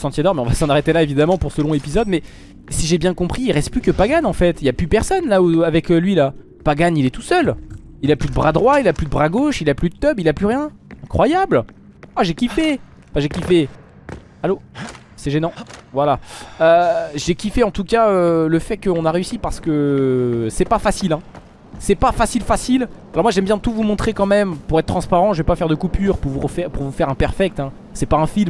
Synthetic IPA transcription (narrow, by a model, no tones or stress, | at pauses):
sɑ̃t̪jed̪ɔʁmɛɔ̃vasɑ̃naʁet̪elaevid̪amɑ̃puʁsəlɔ̃epizɔd̪mɛ | siʒebjɛ̃kɔ̃pχiːʁɛst̪̚plykəpaɡanɑ̃fɛt̪iljaplypɛʁsɔnlauavɛklɥila | paɡanilɛt̪u̥sœl | ilaplyd̪əbʁad̪ʁwailaplyd̪əbʁaɡoʃilaplyd̪ət̪œbilaplyʁjɛ̃ | ɛ̃kχwajabl | aʒekʲife | fãʒekʲife | alo | sɛʒenɑ̃vwalaøʒekʲifeɑ̃t̪ukaøləfɛkəɔ̃naʁeysipaʁsə̥kə | sɛpafasilɛ̃ | sɛpafasilfasilalɔʁmwaʒɛmbjɛ̃t̪uvumɔ̃t̪χekɑ̃mɛmpuʁɛt̪t̪ːχɑ̃spaʁɑ̃ʒəvɛpafɛʁd̪əkupyːʁpuʁvuʁəfɛʁpuʁvufɛʁɛ̃pɛʁfɛk̚t̪ɛ̃ | sɛpaɛ̃film